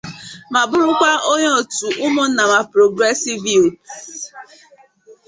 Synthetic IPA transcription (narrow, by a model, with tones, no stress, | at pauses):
ma˨bʊ˦ɾʊ˦kʷa˦ʔo˦ɲɔ˦o˨tu˨ʔʊ˦mo˦na˨ma˨pɾo˨ɡɾe˦si˦vi˦˨o˨